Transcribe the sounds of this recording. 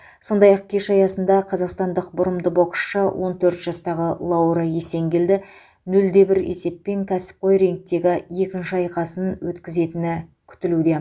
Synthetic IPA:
so̞nd̪ɑjɑq̚kʲʰe̞ʃɑjɑsənd̪ɑqʰɑzɑqst̪ɑnd̪əqbʊɾəmd̪əbo̞ksʃəwʔo̞nt̪ʰɵɾt̪ʒ̥ɑst̪ɑʁəlˠɑwɾɑje̞se̞ŋɡʲe̞ld̪ɪ | nɵld̪e̞bɪɾḛse̞pːe̞ŋkʲʰæsɪ̥p̚qʰo̞jɾe̞ŋk̚t̪ːe̞ɡʲɪje̞kʲɪnʃɪɑjqɑsənwɵt̪kʲɪze̞t̪ɪnɪkʲʰʏ̥t̪ɪlud̪e̞

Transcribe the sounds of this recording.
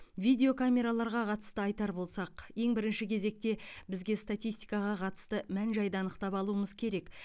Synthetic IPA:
vid̪ʲe̞o̞kʰamʲe̞ɾalˠɑɾʁɑqʰɑt̪ə̥st̪əɑjt̪ɑɾbo̞lˠsɑqje̞ŋbɪɾɪnʃɪkʲʰe̞ze̞k̚t̪e̞bɪzɡʲe̞st̪at̪ijst̪i̥jkɑʁɑqʰɑt̪ə̥st̪əmænʒɑjd̪ɑːnəqt̪ɑpɑlˠuəməzkʲʰe̞ɾe̞k

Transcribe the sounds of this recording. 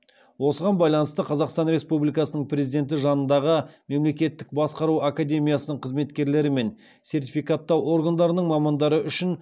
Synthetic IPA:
wo̞səʁɑnbɑjlˠɑnəst̪əqʰɑzɑqst̪ɑnɾe̞spublijkɑsənəɴprʲe̞zid̪e̞nt̪̬ɪʒɑnənd̪ɑʁəme̞mle̞kʲe̞t̪ːɪk̚bɑsqɑɾuakad̪ʲe̞mijasənəɴqʰəzme̞t̪kʲe̞ɾle̞ɾɪme̞n | se̞rt̪̬ʲifijkat̪ːɑwo̞ɾɡand̪ɑɾənəɴmɑmɑnd̪ɑɾəʔʏʃɪn

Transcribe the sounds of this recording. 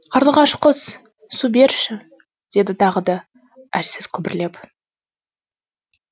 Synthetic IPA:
qʰɑɾlˠəʁɑʃqəz̥ | sube̞ɾʃɪ | d̪̥e̞d̪ɪt̪ʰɑʁəd̪ɑ | æɾsɪz̥kʲʰʏbɪɾle̞p

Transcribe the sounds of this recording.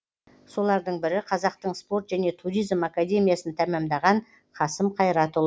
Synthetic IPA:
so̞lˠɑɾd̪əɴbɪɾɪqʰɑzɑq̚t̪əɴspo̞ɾt̪ʒæne̞t̪ʰuɾijzmakad̪ʲe̞mʲijasənt̪ʰæmæmd̪ɑʁɑɴ | qʰɑsəmqʰɑjɾɑt̪ʊlˠ

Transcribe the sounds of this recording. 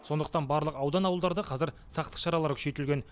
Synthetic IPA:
so̞nd̪əq̚t̪ɑnbɑɾlˠəqɑwd̪ɑnɑwəlˠd̪ɑɾd̪əqʰɑzɪɾ | sɑqt̪ə̥qʃɑɾɑlˠɑɾkʲʰʏ̥ʃe̞t̪ɪlɡʲe̞n

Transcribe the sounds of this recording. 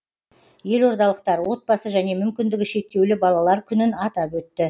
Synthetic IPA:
je̞lo̞ɾd̪ɑlˠəqt̪ɑɾwo̞t̪̚bɑsəʒæne̞mʏmkʲɪnd̪ɪɡʲɪʃe̞k̚t̪e̞wlɪbɑlˠɑlˠɑɾkʲʰʏnɪnɑt̪ɑpwɵt̪ːɪ

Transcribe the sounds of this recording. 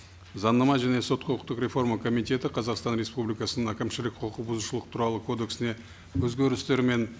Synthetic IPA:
zɑnːɑmɑʒæne̞so̞t̪̚qʰoəq̚t̪ːəqɾʲe̞fo̞ɾməkʰo̞mijt̪e̞t̪ɪqʰɑzɑqst̪ɑnɾʲe̞spublijkɑsənəɴækʲɪmʃɪlɪk̚qʰoqubʊzuʃəlˠəq̚t̪ʰuɾɑlˠəkʰo̞d̪e̞ksɪne̞ | wɵzɡʲe̞ɾɪst̪e̞ɾme̞n

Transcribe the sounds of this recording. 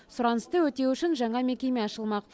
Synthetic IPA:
sʊɾɑnəst̪əwɵt̪e̞wʏʃɪnʒɑɴɑme̞kʲe̞me̞ɑʃəlˠmɑq

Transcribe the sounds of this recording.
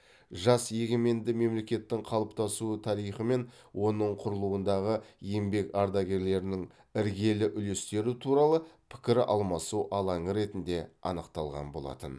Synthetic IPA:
ʒɑsje̞ɡʲe̞me̞nd̪ɪme̞mle̞kʲe̞t̪ːɪŋqʰɑlˠəpt̪ɑsuət̪ʰɑɾijχəme̞n | wʔo̞nəɴqʰʊɾəlˠuwənd̪ɑʁəje̞mbe̞kɑɾd̪ɑɡʲe̞ɾle̞ɾɪnɪŋ | ɪɾɡʲe̞lɪʔʏle̞st̪e̞ɾɪt̪ʰuɾɑlˠəpʰɪ̥kʲɪɾɪʔɑ̰lˠmɑsuʔɑlˠɑɴəɾe̞t̪ɪnd̪e̞ɑ̰nəqt̪ɑlˠʁɑ̰nbo̞lˠɑ̰t̪ə̰n

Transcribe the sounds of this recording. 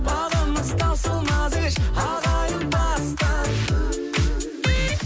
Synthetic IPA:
bɑlˠɑməzt̪ɑwsəlˠmɑd̪əʃɑd̪ɑjənbɑst̪ɑ

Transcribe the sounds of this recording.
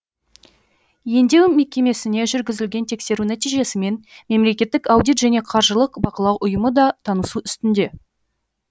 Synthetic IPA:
je̞nd̪e̞wme̞kʲe̞me̞sɪne̞ʒʏɾɡʲɪzɪlɡʲe̞nt̪ʰe̞kse̞ɾunæt̪ijʒe̞sɪme̞nme̞mle̞kʲe̞t̪ːɪkɑwd̪it̪ʒæne̞qʰɑɾʒəlˠəqbɑqəlˠɑwʔʊjəməd̪ɑt̪ʰɑnəsuʏst̪ɪnd̪e̞

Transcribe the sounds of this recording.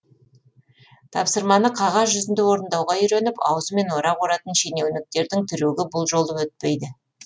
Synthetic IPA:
t̪ʰɑpsəɾmɑnəqʰɑʁɑzʒʏzɪnd̪ewo̞ɾənd̪ɑwʁɑʏjɾenɪpɑwəzəme̞nwo̞ɾɑoɾɑt̪ənʃe̞ne̞wnɪk̚t̪e̞ɾd̪ɪŋt̪ʰʏɾeɡʲɪbʊlˠʒo̞lˠd̪əwɵt̪̚pe̞jd̪ɪ

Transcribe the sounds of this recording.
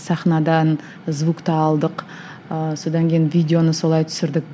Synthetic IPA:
sɑχnɑd̪ɑn | zvukt̪ɑːlˠd̪əq | əso̞d̪ɑŋkʲʰejɪnvʲidʲeo̞nəso̞lˠɑjt̪ʰʏ̥sɪɾd̪ɪk̚

